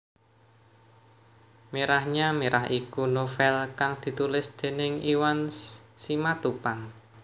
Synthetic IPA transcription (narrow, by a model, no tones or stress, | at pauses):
meɾahɲameɾahikunofɛlkaŋd̪̥i̤t̪ulɪsd̪̥e̤nɪŋiwansimat̪upan